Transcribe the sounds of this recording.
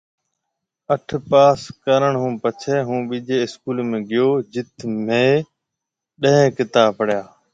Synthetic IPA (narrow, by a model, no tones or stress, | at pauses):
əʈʰpaːskəɾəɳɦũːpət͡ʃʰeːɦũːɓiːd͡ʒʱeːɪskuːlmẽːɡɪjoːd͡ʒɪt̪mẽː | ɗə̃ɦẽːkɪt̪aːpəɽ̤jaː